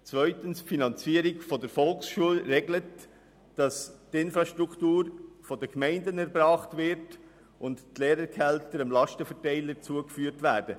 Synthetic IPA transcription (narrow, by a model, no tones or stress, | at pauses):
t͡svœʏtənsfinɑnt͡siəɾɪkfɔdəɾfɔlksʃuəlɾɛɡlət | d̥ɑstɪnfɾɑʃtɾukʰtuːɾfɔdəkmɛɪndənɛɾbɾɑːχtvɪɾt | ʔʊnttleːɾəɾkʰɛltəɾəmlɑʃtəfɛtɛɪləɾt͡suəkfyːəɾtvæːd̥ə